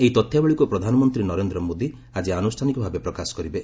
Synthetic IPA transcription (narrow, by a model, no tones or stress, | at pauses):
eɦit̪ɔt̪ʰːjabeɭikupɾɔd̪ʱanɔmɔnt̪ɾinɔɾend̪ɾɔmod̪i | ad͡ʒianusʈʰanikɔbʱabepɾɔkasɔ̥kɔɾibe